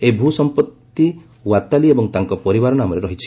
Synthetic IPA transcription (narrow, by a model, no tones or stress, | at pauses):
ebʱusɔmpɔt̪ːi | wat̪aliebɔŋt̪aŋkɔpɔɾibaɾɔnamɔɾeɾɔɦit͡ʃʰi̥